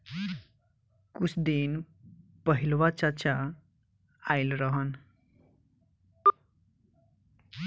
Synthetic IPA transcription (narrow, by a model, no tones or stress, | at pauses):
kut͡sʰd̪in | pʌɦilwat͡ʃat͡ʃa | ailɾʌɦʌn